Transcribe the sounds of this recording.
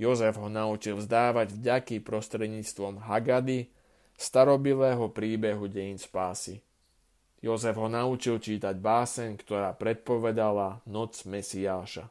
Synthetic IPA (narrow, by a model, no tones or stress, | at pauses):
jɔzɛvɦɔnaut͡ʃilvzd̪aːʋaɟvɟakipɾɔst̪ɾɛd̪ɲiːt͡st̪ʋɔmɦaɡad̪i | st̪aɾɔbilɛːɦɔpɾiːbɛɦuɟɛjinspaːsi | jɔzɛvɦɔnaut͡ʃilt͡ʃiːt̪aɟbaːsɛɲkt̪ɔɾaːpɾɛt̪̚pɔʋɛd̪alanɔd͡zmɛsiaːʃa̰